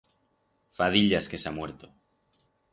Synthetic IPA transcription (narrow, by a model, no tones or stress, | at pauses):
fað̞iʎaskesamwe̞ɾt̪o